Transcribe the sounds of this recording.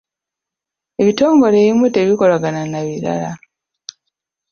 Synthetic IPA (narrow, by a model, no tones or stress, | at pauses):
e̞βito̞ːŋɡo̞leːβimwete̞βiko̞laɡananaβiɾa̰la